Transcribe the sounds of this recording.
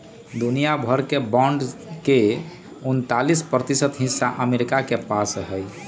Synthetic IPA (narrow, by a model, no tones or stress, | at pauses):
d̪unijabʱəɾkebɔ̃ɳɖke | unt̪alispɾət̪isət̪ɦĩsːaʔəmeɾikakepasɦəj